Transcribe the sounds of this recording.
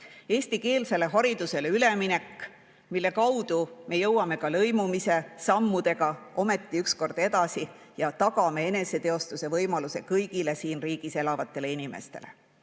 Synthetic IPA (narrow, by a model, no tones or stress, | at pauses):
e̞ːsʲt̪ike̞ːlse̞le̞ɦɑɾid̪use̞leyle̞mine̞kːˑ | milːe̞kɑwd̪̥ume̞jɤwːɑme̞kɑlɤ̞jmumise̞sɑmːud̪̥e̞ɡɑʔo̞me̞t̪ˑːiyksko̞rd̪̥e̞d̪ɑsijɑt̪ɑɡɑme̞e̞ne̞se̞t̪eo̞st̪use̞vɤjmɑluse̞kɤjɡ̥ile̞siːnriːɡ̥ise̞lɑvɑt̪ˑːe̞le̞inime̞̰st̪e̞̰le̞̰